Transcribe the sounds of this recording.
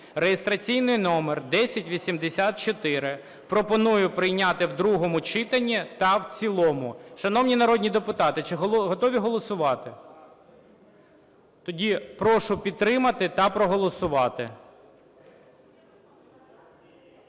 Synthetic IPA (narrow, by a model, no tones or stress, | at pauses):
rejest̪ɾɐt͡sʲijnɪjnɔmerd̪ɛsʲɐtʲʋʲisʲimd̪esʲat̪̚t͡ʃɔt̪ɪɾɪ | pɾɔpɔnujʊpɾɪjnʲat̪ɪwd̪ɾuɦɔmʊt͡ʃɪt̪ɐnʲːit̪ɐwt͡sʲilˠɔmʊʃɐnɔwnʲinɐɾɔdʲnʲid̪epʊt̪ɑt̪ɪt͡ʃɪɦɔɦɔt̪ɔʋʲiɦɔlˠɔsʊʋɑt̪ɪ | t̪ɔdʲipɾɔʃʊpʲid̪̚t̪ːɾɪmɐt̪ɪt̪ɐpɾɔɦɔlˠɔsʊʋɑt̪ɪ̰